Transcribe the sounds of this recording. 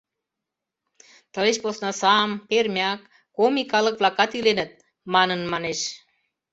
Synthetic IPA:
t̪ə̆leʃposnɑsɑmpermʲɑkː | omikɑlək̚vlɑkɑt̪ilenə̆t̪̚ | mɑnənmɑneʃ

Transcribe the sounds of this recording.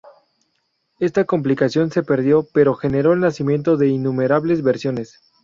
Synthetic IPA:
e̞st̪ako̞mp̬likasjo̞nse̞pe̞ɾðjo̞pe̞ɾo̞xe̞ne̞ɾo̞elnasimjẽ̞nt̪o̞ðe̞inũme̞ɾaβle̞zβe̞ɾsjo̞ne̞s

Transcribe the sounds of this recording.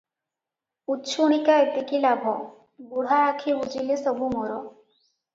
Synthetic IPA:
utːʃʰuɽ̃ikaet̪ikilabʱɔ | ɡuɽ̤aːkʰebud͡ʒilesɔbʱumɔɾɔ

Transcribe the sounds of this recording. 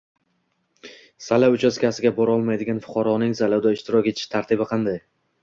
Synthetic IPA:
salaʊt͡ʃʰaskʲasɪɡʲabɒɾɒlˠmajd̪ɪɡʲanfʊ̥qʰɑɾɒnɪŋzalawd̪aɪʃt̪ɪɾɒkʲet̪ʰɪ̥ʃt̪ʰaɾt̪ʰɪbɪqʰɑnd̪aj

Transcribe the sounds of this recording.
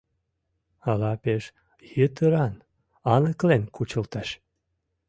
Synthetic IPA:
ɑlɑpeʃ | jət̪əɾɑn | ɑnəklenkʰut͡ɕəlt̪ɑʃ

